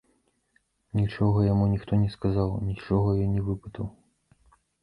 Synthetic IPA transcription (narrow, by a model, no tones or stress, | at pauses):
nʲit͡ʂɔɣɐjamunʲixt̪ɔnʲɛskazawnʲit͡ʂɔɣɐjɔnʲɛvɨpɨt̪ɐw